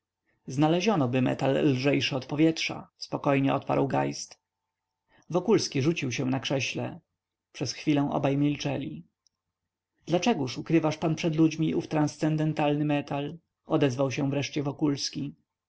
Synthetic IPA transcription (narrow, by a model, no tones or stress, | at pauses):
znalɛʑɔnɔbɘmɛ̰t̪alːʐɛjʂɘɔt̪pɔvʲjɛtʂa̰spɔkɔjɲɛɔt̪pa̰ɾwɡa̰jst̪ | vɔkulskʲiʐut͡ɕiwɕɛ̃nakʂɛɕlɛ̰ | pʂɛsxfʲilɛ̃w̃ʔɔ̰bajmʲilt͡ʂɛlʲi | d̪lat͡ʂɛɡuʂukɾɘvaʂpanpʂɛd̪lud͡ʑmʲiʔuft̪ɾanst̪sɛnd̪ɛnt̪alnɘmɛt̪al | ɔd̪ɛzvawɕɛ̃vɾɛʂt͡ɕɛvɔkulskʲi